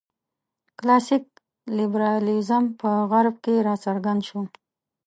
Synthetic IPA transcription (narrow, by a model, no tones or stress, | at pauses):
klɑsik̚ | libɾɑlizampəɣaɾb̚keɾɑsaɾɡand̪ʃo